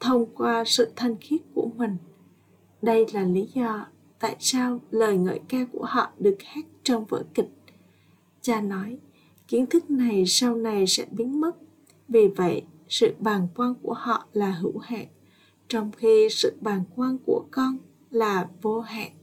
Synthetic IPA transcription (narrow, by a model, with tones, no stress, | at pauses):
t̪ʰə˧wŋ͡mkwaː˧sɨ̰˧˨t̪ʰa˨˩jŋ̟xi˦˥ət̚ku˧˩əmï˨˩ŋ̟ | ɗə˧jlaː˨˩li˨˦zɔ˧ | t̪a̰ː˧˨jsaː˧wləː˨˩jŋə̰ː˧˨jkaː˧ku˧˩əhɔ̰˧˨ɗɨ˨˩ək̚hɛ˦˥t̚t͡ɕɔ˧wŋ͡mvə̰ː˧˩jkï˨˩k̟̚ | t͡ɕaː˧nɔ˨˦j | ki˨˦ənt̪ʰɨ˦˥k̚na˨˩jsa˧wna˨˩jsɛ̰˧˥ɓi˨˦ənmə˦˥t̚ | vi˨˩və̰˧˨j | sɨ̰˧˨ɓaː˨˩nkwaː˧nku˧˩əhɔ̰˧˨laː˨˩ɦɨ̰˧˩wha̰ː˧˨ŋ | t͡ɕɔ˧wŋ͡mxi˧sɨ̰˧˨ɓaː˨˩nkwaː˧nku˧˩əkɔ˧n | laː˨˩vo˧ha̰ː˧˨ŋ